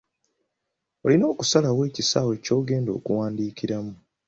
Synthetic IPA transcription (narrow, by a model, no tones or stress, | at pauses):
o̞lino̞ːku̥salawe̞ːcisawe̞ːco̞ːɡe̞ːndoːkuwaːndiːciɾamu